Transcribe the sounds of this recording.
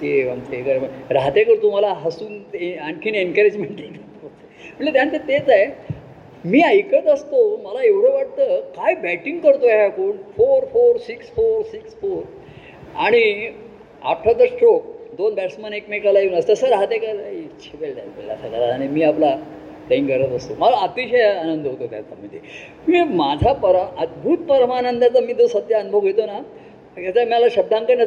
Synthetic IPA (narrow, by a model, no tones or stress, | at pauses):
t̪eamt͡sekəɾməɾaɦt̪ekəɾt̪um̤alaɦəsuːneankʰiːnenkəɾid͡ʑmeɳʈit̪et̪oe | məʈlet̪jãnt̪et̪et͡saj | miːajkət̪əst̪oməlaeʋɽəʋaʈ̚t̪əːkajbæʈiŋɡkəɾt̪oɦakoːɳfoɾfoɾsiksfoɾsiksfoɾ | aɽ̃i | a̰ʈʰːat̪əɾsʈok̚d̪onbæʈsmənekmekalajeuːnəst̪əsəɾɦat̪ekəɾait͡ɕʰibelʈa̰lbḛlʈa̰sakəɾaɾaɽ̃imiːapla | pɽeiŋkəɾət̪əst̪oməlaːt̪iɕəjanənd̪ɦot̪ot̪ja̰t͡sa̰mit̪e | mimad͡zʱapəɾəd̪bʱut̪̚pəɾmanənd̪at͡səmiːd͡z̪osəd̪ʱjaənbʱoɡɦjet̪ona | jat͡ɕamjalaɕəb̚d̪ʱãŋkanə